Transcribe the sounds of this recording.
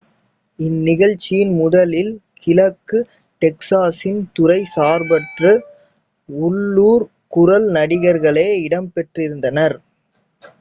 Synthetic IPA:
ɪnːɪɣɐɻt͡ʃːɪjɪnmʊðɐlɪlkʰɪlɐkːɯ | ʈɛksaːsɪnt̪ʊrɐɪsaːɾbɐʈrɯ | ʊɭːuːɾ | kʊɾɐlnɐɽɪɣɐɾɣɐɭeːɪɽɐmpɛʈrɪɾɯnd̪ɐnɐɾ

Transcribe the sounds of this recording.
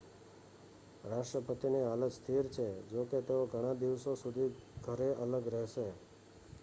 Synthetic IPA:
ɾaʂʈɾəpət̪inialəst̪ʰiɾt͡ʃʰed͡ʒoket̪eoɡʱəɽ̃ad̪iʋsosud̪ʱiɡʱəɾeʔələɡɾɛɦʃe

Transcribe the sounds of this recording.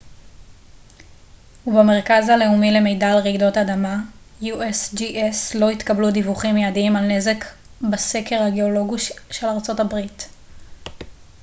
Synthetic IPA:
hubeme̞ʁkazhale̞umile̞me̞jdalʁiɡdo̞tadama | juʔesd͡ʒiʔeslo̞it̪kabludivuχimjaːdimalne̞ze̞k | base̞ke̞ʁhaɡeolo̞ɡiʃe̞laʁt͡so̞tabʁit

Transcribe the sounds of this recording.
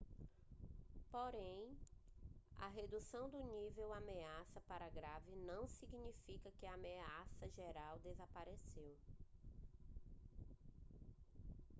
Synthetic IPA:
poɾẽj̃ | ɐ̰ɦed̪usɐ̃w̃d̪ʊnivewameasɐpaɾɐɡɾavɪnɐ̃w̃siɡnifikɐkɪaːmeasɐʒeɾawd̪ezapaɾesew

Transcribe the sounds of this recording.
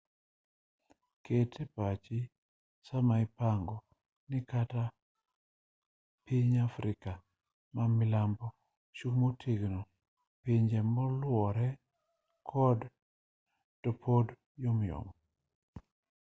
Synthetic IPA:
ketʰepat͡ʃi | samaipaŋɡɔ | nɪkata | piɲafɾɪka | mamɪlambɔ | ʃukmotʰiɡno | piɲd͡ʒɛmɔlwɔɾɛ | kʰɔd | tɔpʰod | jomjo̰m

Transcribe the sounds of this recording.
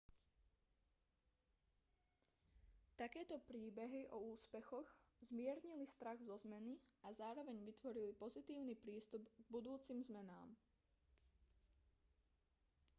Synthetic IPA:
t̪akɛːt̪ɔpɾiːbɛɦiʔɔuːspɛxɔɣzmɪɛɾɲilist̪ɾaɣzɔzmɛniazaːɾɔʋɛɲʋit̪ʋɔɾilipɔzit̪iːʊnipɾiːst̪ubɡ̚bud̪uːt͡simzmɛna̰ːm

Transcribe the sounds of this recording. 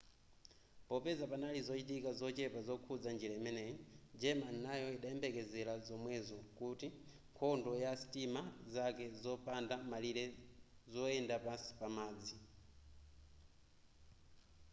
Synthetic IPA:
pɔpɛzapanalizɔt͡ʃitikazɔt͡ʃɛpazɔkʰud͡zand͡ʒiɾaimɛnɛjɔd͡ʒɛmannajɔiɗaɛmbɛkɛzɛlazɔmwɛzɔkuti | ŋkʰɔndɔjasi̥timazakɛzɔpandamaliɾɛzɔɛndapasi̥pamaːd͡zi

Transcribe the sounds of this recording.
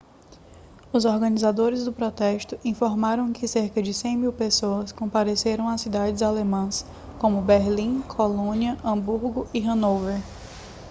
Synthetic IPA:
ʊzɔɾɡɐ̃nizad̪oɾɪzd̪ʊpɾɔt̪ɛst̪ʊʔĩfoɾmaɾɐ̃w̃kɪseɾkɐd͡ʒɪsẽj̃miwpesoɐskõpaɾeseɾɐ̃w̃asid̪ad͡ʒɪzalemɐ̃s | kõmʊbeɾlĩkʰolõniɐʔɐ̃buɾɡʊiɦɐ̃noveɾ

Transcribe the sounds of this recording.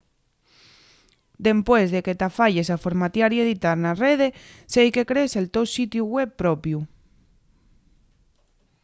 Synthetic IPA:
d̪empwezðeket̪afaʎesafoɾmat̪jaɾjeðit̪aɾnareð̞esejkekɾeselt̪ewsit̪juɣweβpɾɔpju

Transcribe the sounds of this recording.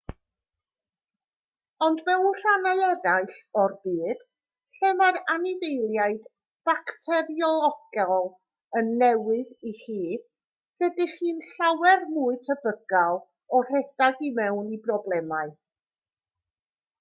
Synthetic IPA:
ɔndmɛwnr̥anaɨɛðaɨɬɔrbiːd̥ | ɬɛmaɾanɪvejlˠjaɨd | b̥aktʰɛɾiɔlˠɔɡ̥alˠ | ənːɛwɨðiχiː | ɡ̥ədɪχiːnɬawɛrmuɨtʰəbəɡalˠ | ɔr̥ɛd̥aɡimɛwnibrɔblˠɛmaɨ

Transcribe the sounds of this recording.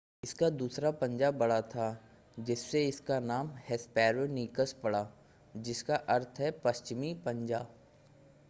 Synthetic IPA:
ɪskad̪uːsɾapɐ̃ɲd͡ʒabɐɽat̪ʰaː | d͡ʒɪsːeɪskanaːmhɛspɛːɾoniːkəspɐɽaː | d͡ʒɪskaʔɐɾt̪ʰɦɛpɐst͡ʃɪmipɐ̃ɲd͡ʒaː

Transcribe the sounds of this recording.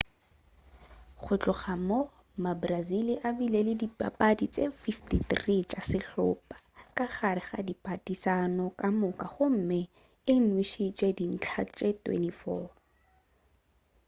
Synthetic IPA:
χʊt͡ɬʼʊχamo | mabraziliʔabilelɪdipʼa̰pʼadit͡sʼefiftiθrit͡ʃʼasɪɬʊpʼḁkʼaχaɾɪχa̰dipʼatʼisanɔkʼamʊkʼaχʊm̩mɪ | ɪn̩wiʃit͡ʃʼedin̩t͡ɬʰat͡ʃʼɛtwɛ̰nifɔː

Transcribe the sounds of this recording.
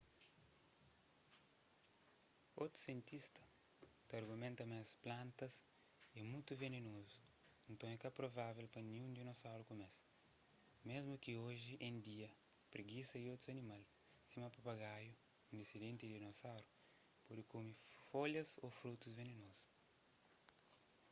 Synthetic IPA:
ot̪ɾu̥sjẽnt̪ist̪ɐ̥ | t̪ɐɾɡumẽnt̪ɐmasplãnt̪ɐs | emũjt̪uvenenozu | ẽnt̪õɛkɐpɾovavelpɐnĩũnd̪inosawɾukumɛs | mezmukioʒiʔẽnd̪iɐ | pɾeɡisɐiot̪ɾuɐnimal | simɐpɐpaɣaju | ĩnd̪esid̪ẽnt̪id̪inosawɾu | puɾkumifoʎɐzofɾut̪uzvenenozu̥

